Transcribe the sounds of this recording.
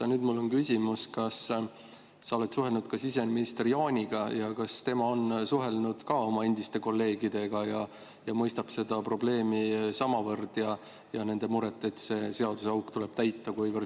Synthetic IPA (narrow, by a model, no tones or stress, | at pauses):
ɑnyːd̪mulːo̞nkysʲimuskɑs | sɑo̞let̪suɦe̞lnud̪̥kɑsis̬e̞nminist̪rijoːnʲiɡ̥ɑjɑkɑst̪e̞mɑonsuɦe̞lnud̪̥kɑo̞mɑend̪̥ist̪e̞ko̞lːe̞ːɡid̪̥e̞ɡ̥ɑjɑ | jɑmɤjst̪ɑb̥se̞d̪̥ɑpro̞ble̞ːmisɑmɑvɤrd̪̥jɑ | jɑne̞nd̪e̞muɾet̪ːˑe̞t̪ːse̞se̞ɑd̪usɑwkt̪ule̞b̥t̪æjt̪ːˑɑkujvɤr